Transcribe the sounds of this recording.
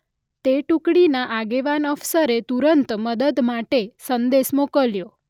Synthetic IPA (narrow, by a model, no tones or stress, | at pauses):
t̪eʈukɽinaʔaɡeʋanəfsəɾet̪uɾənt̪məd̪əd̪maʈesənd̪esmokəljo